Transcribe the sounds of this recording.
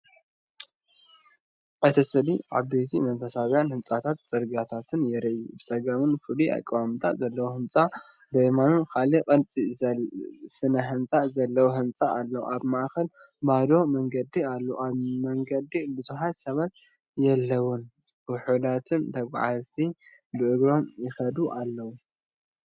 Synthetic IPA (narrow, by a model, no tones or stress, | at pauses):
ʔɨt̪ʰɐsɨliʕaβbet̪ʰimɐnfɐsaβjanhɨnt͡sʼat̪ʰat̪zʼɨɾɡat̪ʰat̪ʰɨnjɛɾɐjubɨsʼɐɡamɨnfɨliʔa̰kʼːβamɨt̪ʰat̪zɐlːɐwohɨmt͡sʼa | bɐjmanunkʰalikʼɐnt͡sʼi | sɨnɐɦɨnt͡sʼazɐlːɐwoɦɨmt͡sʼaːlːɐwuʔaβmaʔkɐl | bad̪o̞mɐŋɡɐd̪ialːoaβmɐŋɡɐd̪ibɨzuħajsɐβat̪̚ | jɛlːɐwʊn | ʊħud̪at̪ʰɨnt̪ʰɐɡʷa̰ʕazt̪ʰi | bɨʔɨɡɾo̞mjɪxɐd̪uʔalːɐwu